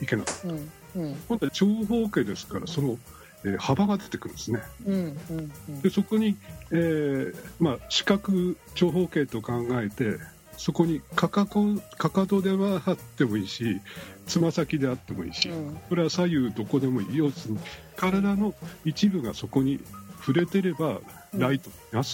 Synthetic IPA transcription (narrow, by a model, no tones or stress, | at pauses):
ike̞nakḁt̪ːa | kont̪at͡ɕo̞ːɦo̞ːke̞ːd̪e̞sɨ̥kaɾa̰so̞no̞ | eːhabaɡad̪e̞t̪e̞kɯ̟ɾɯ̟̃nesɨne̞ | d̪̥e̞so̞ko̞ɲ̟ieːmaɕi̥kakɯ̟ | t͡ɕo̞ːɦo̞ːke̞ːt̪o̞kãŋɡae̞t̪e̞ | so̞ko̞ɲ̟ikakakokakad̪o̞d̪e̞βaat̪ːe̞mo̞iːɕit͡sɨmasakʲid̪e̞at̪ːe̞mo̞ḭːɕḭko̞ɾe̞βasajɯ̟ːd̪o̞ko̞d̪e̞mo̞ḭːjoːd̪esɨɲ̟i | kaɾad̪ano̞it͡ɕibɯ̟ɡa̰so̞ko̞ɲ̟iɸɯ̟ɾe̞t̪e̞ɾe̞ba | ɾait̪oimasɨ̥